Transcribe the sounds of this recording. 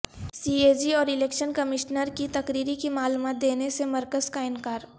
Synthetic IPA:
siːeːd͡ʒiɔːɾɪleːkʃənkɐmɪʃnəɾkit̪ɐkɾiːɾikimaːluːmaːt̪̚d̪eːnesemɐɾkəzkaɪnkaːɾ

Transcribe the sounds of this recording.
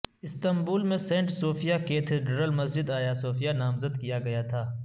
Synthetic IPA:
ɪst̪ɐmbuːlmẽsẽːɳʈsoːfijaket̪ʰeɖɾəlmɐsd͡ʒɪd̪aːjasoːfijanaːmzəd̪kijaɡɐjat̪ʰaː

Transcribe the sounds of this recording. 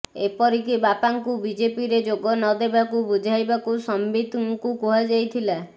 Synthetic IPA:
epɔɾik̬ibapaŋkubid͡ʒepiɾed͡ʒoɡɔnɔd̪ebakubud͡ʒʱajbakusɔmbid̪ʱuŋkukuɦad͡ʒajt̪ʰila

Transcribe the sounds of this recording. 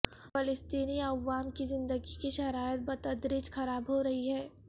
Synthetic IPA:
fɪlɪst̪iːniɐʋːaːmkizɪ̃nd̪əɡikiʃɐɾaːjət̪̚bɐt̪ɐd̪ɾɪd͡ʒxɐɾaːbɦoɾɐɦiɦɛː

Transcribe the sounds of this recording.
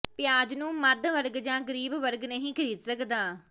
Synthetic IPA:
pɪjaːd͡ʒnũːməɾd̪ʋəɾɡd͡ʒãːɡəɾiːbʋəɾɡnəɦĩːkʰəɾiːd̪səkd̪aː

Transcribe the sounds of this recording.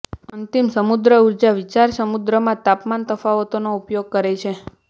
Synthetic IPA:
ənt̪imsəmud̪ɾəuɾd͡ʒaʋit͡ʃaɾsəmud̪ɾəmãt̪apmant̪əfaʋot̪onoupjoɡ̚kəɾet͡ʃʰe

